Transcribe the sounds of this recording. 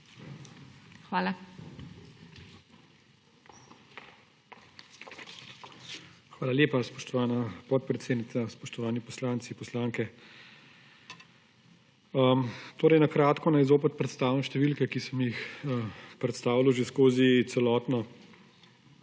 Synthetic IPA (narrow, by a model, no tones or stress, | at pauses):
xʋaːla | xʋaːlaljeːpaspɔ̥ʃt̪ɔʋaːnapɔt̪̚pɾɛt̪seːd̪nit̪saspɔʃt̪ɔʋaːnipɔslaːnt̪sipɔslaːŋkɛ | ət̪oːɾɛjnakɾaːt̪kɔnajzoːpɛt̪̚pɾɛt̪st̪aːwimʃt̪ɛʋilkɛkisəmjixəpɾɛt̪st̪aːʋiluʒeskoːziɛlɔːt̪nɔ